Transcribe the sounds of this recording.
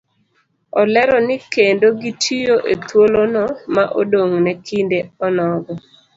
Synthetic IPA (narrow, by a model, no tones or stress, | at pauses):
ɔlɛɾɔnɪkendoɡitʰijoʔet̪wolonɔmaʔodoŋnɛkʰindeɔnɔɡɔ